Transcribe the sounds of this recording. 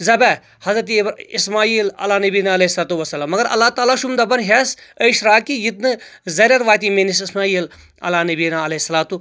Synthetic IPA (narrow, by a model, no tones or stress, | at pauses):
zɐbɛ | hɐzɾɐt̪̬ːbismaːiːlɐ̰laːnɐbiːnaːɐleisɐlaːt̪uʋɐsːɐlaːmːɐɡɐɾʔɐ̰lːaːt̪aːlaʃumd̪abɐnɦasəiʃɾaːkijit̪nɨzɐɾʲɐɾʋaːt̪imenisismaːiːl | ɐ̰laːnɐbiːnaɐleɦisːɐlaːt̪u